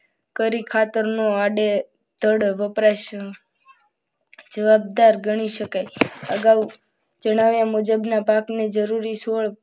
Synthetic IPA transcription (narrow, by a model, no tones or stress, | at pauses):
kəɾikʰat̪əɾnoaɖe | d̪̥ʱəɽʋəpɾaʃ | d͡ʒəʋab̚d̪aɾɡəɽ̃iʃəkajəɡaʋu | d͡ʒəɽ̃aʋjamud͡ʒəbnapaknid͡ʒəɾuɾisoɭ